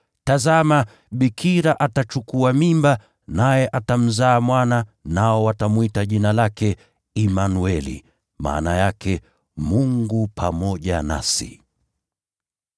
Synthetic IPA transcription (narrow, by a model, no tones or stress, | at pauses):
tazama | ɓikʰiɾaʔatat͡ʃukuamimba | najɛʔatam̩zaːmwananaɔwatamwitaʄinalakɛ | imanuɛlḭ | ma̰ːnajakʰɛ | muŋɡupʰamɔʄana̰sḭ